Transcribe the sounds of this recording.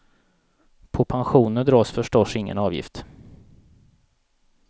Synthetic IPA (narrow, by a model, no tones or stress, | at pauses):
pʰɔpʰanɧuːnəɖ̪ɾɑːsfœʂʈɔʂɪŋːə̰nɑːvjɪ̰ft̪